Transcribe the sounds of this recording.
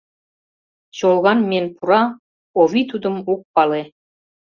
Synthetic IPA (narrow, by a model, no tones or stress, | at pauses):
ɕolˠɣɑnmenʲpuɾɑ | oβʲit̪ud̪ɤ̆muk̚pɑle